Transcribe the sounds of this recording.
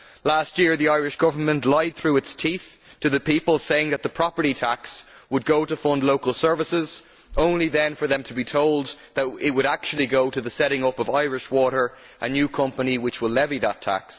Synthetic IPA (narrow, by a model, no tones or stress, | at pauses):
last̚jɪɹðiaɪɹɪʃɡ̥ʌvə˞mə̃nʔlaɪd̪̚θɹʉɨtstʰiθ | tʰɨðɨpipəlˠseɪɪ̃ŋðət̪̚ðəpʰɹ̥ɑpə˞ɾitʰakswəd̚ɡoʊɾəfʌ̃ndˡloʊkəlˠsɜ˞vəsɪz | õʊ̃nliðɨ̃nfə˞ðə̃mtʰəbitʰoʊlˠd̪ | ðət̚ɪt̚wəɾak̚t͡ʃul̩ˠiɡoʊɾɨðəsɛɾɪ̃ŋʊpʌvaɪɹɪʃwɔɾə˞ | ʔənjʉkʰʌ̃mpəniwɨt͡ʃwɪlɛviðətʰa̰ks